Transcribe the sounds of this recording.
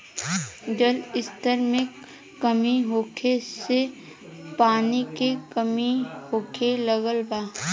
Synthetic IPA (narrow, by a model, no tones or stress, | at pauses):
d͡ʒəlɪst̪əɾmẽk | kəmiɦoːkʰese | paːnikekəmihoːkʰeləɡəlbaː